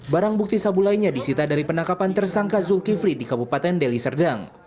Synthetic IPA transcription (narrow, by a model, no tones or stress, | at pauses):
baɾaŋbuk̚t̪isabulajɲadisit̪adaɾipənakapant̪ərsaŋkazulkiflidikabupat̪ɛndɛlisərdaŋ